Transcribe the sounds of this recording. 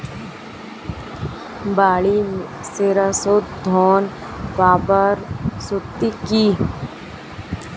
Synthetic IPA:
baːɭimseɾasot̪d̪ʱɔːn | baːbəɾsʊt̪iki

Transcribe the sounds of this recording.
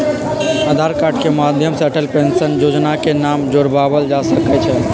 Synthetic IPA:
əd̪ʱaɾkaʈkemad̪ʱjəmsəʈəlpensənjod͡ʒnakenamd͡ʒoɾbʱabəld͡ʒasəkɛt͡ʃʰɛ

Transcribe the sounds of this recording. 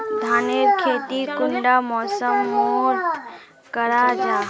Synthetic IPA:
d̪ʱaːneɾkʰeːt̪ikʊɳɖamɔːsəmːoot̪ | kəɾad͡ʒaː

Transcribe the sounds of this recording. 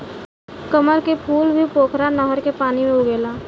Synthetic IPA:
kəməɾkepʰuːlbʱipoːkʰɾanəɦəɾkepaːnimẽʊɡeːlaː

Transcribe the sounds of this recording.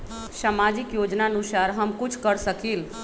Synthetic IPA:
samad͡ʒikjod͡ʒnaənusaɾɦəmkut͡ʃʰkəɾsəkil

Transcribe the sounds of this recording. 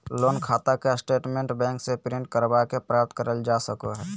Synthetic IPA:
loːnkʰaːt̪akesʈeːʈmẽɳʈbɛ̃ːŋksepɾĩɳʈkəɾbakepɾap̚t̪kəɾəld͡ʒasəkoɦɛː

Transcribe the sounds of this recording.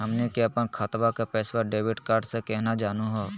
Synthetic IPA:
ɦɐmnekeɐpənkʰət̪ʋakapɛːswaɖeːʋɪɖkaːɾɖsekɛɦnad͡ʒaːnuɦoː

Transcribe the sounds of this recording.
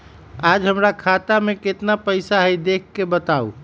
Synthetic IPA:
ad͡ʒɦəmɾakʰat̪ameket̪napəɪsaɦəjd̪ekʰːebət̪aṵ

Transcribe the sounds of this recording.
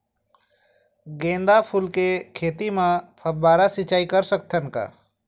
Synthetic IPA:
ɡẽːnd̪apʰulkekʰeːt̪imẽpʰəbbaːɾasɪt͡ʃaːikəɾsək̚t̪ʰənka̰ː

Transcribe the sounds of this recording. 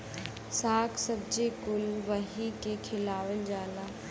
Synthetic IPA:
saːkʰsɐb̚d͡ʑekʊlʋɐɦikekʰɪlaːʋəld͡ʒaːlaː

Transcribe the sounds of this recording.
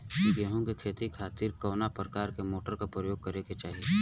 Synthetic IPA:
ɡeɦõkekʰeːt̪ikʰaːt̪iːɾkɐːnapɾəkaːɾkemoːʈəɾkapɾəjoːɡ̚kɐɾeket͡ʃaːɦie

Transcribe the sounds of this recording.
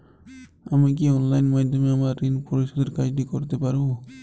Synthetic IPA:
amik̬iɔnlajnmajd̪ɔmeamaːinpʰɔɹisɔd̪eɾkajdikɔɹt̪ɛpaɹu

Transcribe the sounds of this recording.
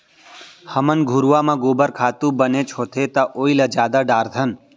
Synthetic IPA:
həmənɡʱuɾʋamãɡoːbəɾkʰaːt̪ũbənet͡ʃʰoːt̪ʰet̪aʔoːilad͡ʒaːd̪aɖaːɾd̪ʱən

